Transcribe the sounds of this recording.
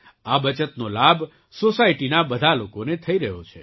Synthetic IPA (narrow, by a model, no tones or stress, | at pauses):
abət͡ʃət̪nolabʱ | sosaiʈinabəd̪ʱalokonet̪ʰəiɾəɦjot͡ʃʰḛ